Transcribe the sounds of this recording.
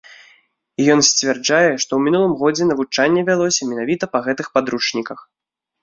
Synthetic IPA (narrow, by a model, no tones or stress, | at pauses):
ijɔnsʲt͡sʲvʲɛrd͡ʐajɛʂt̪ɔwmʲinulˠɨmɣɔd͡zʲɛnɐvut͡ʂanʲːɛvʲalˠɔsʲɐmʲɛnavʲit̪ɐpɐɣɛt̪ɨxpad̪ɾut͡ʂnʲikɐx